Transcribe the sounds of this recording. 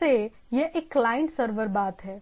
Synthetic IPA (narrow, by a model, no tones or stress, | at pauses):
e | jeʔekːlaːɪə̃ɳʈsəɾʋəɾbaːt̪ɦɛː